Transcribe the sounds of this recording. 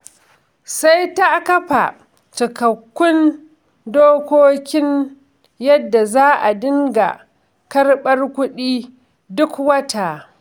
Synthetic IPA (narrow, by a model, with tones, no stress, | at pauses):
sa˦jta˦kɐ˦ɸa̰˨ | t͡ʃɪ˨kɐ˨kʷːʊ˦n | doː˦kʷoː˦kʲɪ˦n | jɐ˦dːa˨zaː˦ʔa˨dɪ˦ŋɡa̰˨ | kɐ˦rɓɐ˦rkʷʊ˦ɗiː˦ | dʊ˦kwɐ˦ta˨